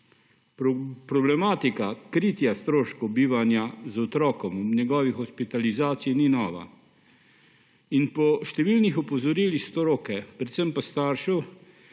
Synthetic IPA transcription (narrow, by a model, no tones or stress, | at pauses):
pɾɔblɛmaːt̪ikakɾit̪jast̪ɾoːʃkɔbiːʋanjazɔt̪ɾɔːkɔmɔnɛɡɔːʋixɔspit̪alizaːt̪sijninɔːʋa̰ | inpɔʃt̪ɛʋilnixɔpɔzɔɾiːlixst̪oɾoːkɛpɾɛt̪səmpast̪aːɾʃu